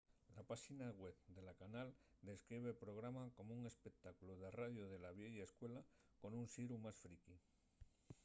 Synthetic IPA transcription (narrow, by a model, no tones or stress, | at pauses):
lapaʃinaɣweβd̪e̞lakanal | d̪e̞skɾiβ̞epɾo̞ɣɾamako̞mouŋe̞spek̚t̪akuluðeraðjoð̞e̞laβ̞jeʝaeskwe̞la | ko̞nunsiɾumasfɾiki